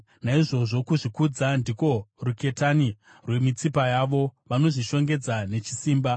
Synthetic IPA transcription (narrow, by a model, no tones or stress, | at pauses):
naiʐo̞ʐo̞kuʐikud͡zandiko̞ruke̞tani | rwe̞mit͡sipajaʋo̞ʋano̞ʐiʃo̞ŋɡe̞d͡zane̞t͡ʃi̥siːmba